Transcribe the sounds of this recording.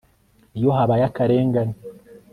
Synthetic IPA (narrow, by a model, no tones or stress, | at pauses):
ijoɦaβajakaɾe̞ːŋɡani